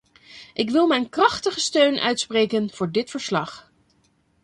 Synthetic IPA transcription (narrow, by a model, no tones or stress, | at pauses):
ʔɪkʋɪlˠmɛjnkrɑχtəχəstøɥnʔœ̰ɥtsprejkənv̥ʊːɹdɪtfəɹslɑχ